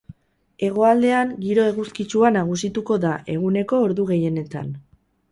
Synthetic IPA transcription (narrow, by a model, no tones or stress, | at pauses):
e̞ɣ̞o̞ald̪e̞aŋɡiɾo̞e̞ɣuskit͡ʃuanaɣ̞usit̪uko̞ðaʔe̞ɣ̞une̞ko̞ːɾðuɣe̞je̞ne̞t̪a̰n